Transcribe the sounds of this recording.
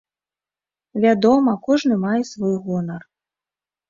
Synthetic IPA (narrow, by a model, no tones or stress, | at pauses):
vʲad̪ɔmɐkɔʐnɨmajɛsvɔjɣɔnɐr